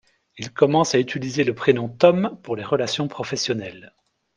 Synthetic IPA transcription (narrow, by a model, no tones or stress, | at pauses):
ilkɔmɑ̃sayt̪ʰilizeləpχenɔ̃t̪ɔmpuʁleʁəlasjɔ̃pχɔfɛsjɔnɛl